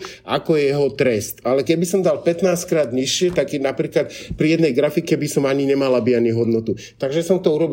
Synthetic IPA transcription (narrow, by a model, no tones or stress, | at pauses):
ʔa̰kɔjɛjɛɦɔt̪ɾɛst̪alɛkɛbisɔmd̪alpɛt̪naːskɾaːd̪ɲiʃɪɛt̪aɡɛnapɾiːklat̪pɾijɛd̪nɛjɡɾafikɛbisɔmaɲiɲɛmalabianiɦɔd̪nɔt̪u | t̪aɡʒɛsɔmt̪ɔuɾɔb